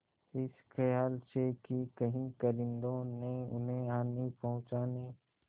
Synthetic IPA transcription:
ɪsxɐjaːlsekikɐɦĩkəɾɪ̃nd̪õneʊ̰nɦẽaːnipɐɦʊ̃t͡ʃaːniː

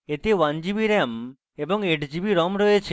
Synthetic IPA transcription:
et̪ewand͡ʑibiɾem | ebɔŋeʈd͡ʑibiɾɔmɾɔjet͡ɕʰe

